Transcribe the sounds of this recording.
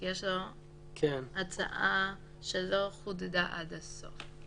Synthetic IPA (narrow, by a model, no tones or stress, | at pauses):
jeʃlo | kʰenat͡sa̰ʔa | ʃeloχud̪d̪aʔad̪aso̰f